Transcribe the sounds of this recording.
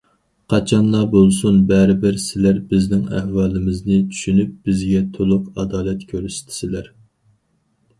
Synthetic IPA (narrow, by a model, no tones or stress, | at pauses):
qʰɑt͡ʃʰɑnlˠɑbolˠsunbɛɾɪbɪɾsɪlæɾbɪznɪŋæ̰hwɑːlɪmɪznɪt͡ʃʰy̥ʃynyp̚b̥ɪzɡʲɛt̪ʰolˠʊqɑd̪ɑːlɛt̪kʲʰøɾyst̪ʰɪ̥sɪlæɾ